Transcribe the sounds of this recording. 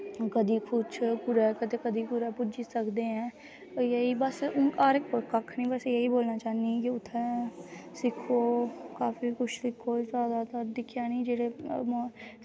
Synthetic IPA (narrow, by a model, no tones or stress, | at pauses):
kəd̪iːkʰʊt͡ʃʰpʊɾɛkəd̪ekəd̪ikʊɾɛpʊd͡ʒisəkd̪eɦɛ̃ː | jeɦibəsʊaːɾekːokəkʰnĩːbɛsejeɦiboːlnat͡ʃaːnĩkiʊt̪ʰːɛ | sɪkʰoːkaːfikʊt͡ʃʰlɪkʰoːzaːd̪at̪əɾd̪ɪkʰːjanĩːd͡ʒeːɽem